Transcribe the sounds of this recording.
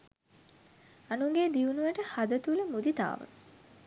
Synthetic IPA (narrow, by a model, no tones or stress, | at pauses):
anuŋɡeːd̪iunuʋəʈəhad̪ət̪uləmud̪it̪a̰ːʋə̰